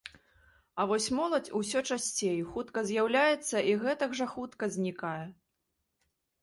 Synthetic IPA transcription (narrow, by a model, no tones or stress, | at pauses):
ɐvɔsʲmɔlˠɐt͡sʲus̬ʲɔt͡ʂasʲt͡sʲejxut̪kɐzʲjawlʲajɛt̪sːɐʔiɣɛt̪ɐɡʐɐxut̪kɐzʲnʲikajɛ